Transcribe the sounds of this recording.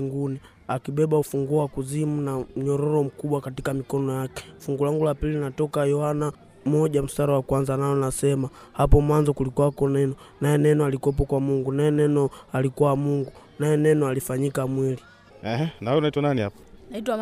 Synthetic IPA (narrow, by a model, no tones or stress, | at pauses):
ŋɡuni | akiɓɛɓaufuŋɡuɔwakuzimunam̩ɲɔɾɔɾɔm̩kuɓwakatikamikɔnɔjakɛ̥fuŋɡulaŋɡulapilinatɔkajɔhana | mɔʄam̩saɾawakwanzanajɔnasɛma | hapɔmwanzɔkulikɔwakɔnɛnɔ | najɛnɛnɔalikɔp̬ɔkwamuŋɡunajɛnɛnɔalikuwamuŋɡu | najɛnɛnɔalifaɲikamwili | ɛhɛnaɔnaitwananihapḁitwa